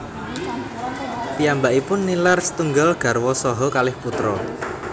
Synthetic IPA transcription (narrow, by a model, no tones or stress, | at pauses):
piambaʔipʊnːilarsə̥t̪uŋɡalɡ̥a̤rwɔsɔɦɔkalɪhput̪ɾɔ